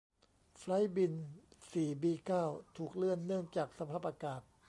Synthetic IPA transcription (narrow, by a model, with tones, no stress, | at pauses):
fla˦˥jbi˧nsiː˨˩biː˧kaː˥˩wt̪ʰuː˨˩k̚lɯ˥˩ənːɯ˥˩əŋt͡ɕaː˨˩k̚sa˧pʰaː˥˩p̚ʔa˧kaː˨˩t̪̚